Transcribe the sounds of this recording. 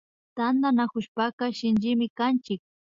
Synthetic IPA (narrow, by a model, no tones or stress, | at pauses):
t̪and̪anakʊʃpakaʃɪnd͡ʒɪmɪkant͡ʃɪk̚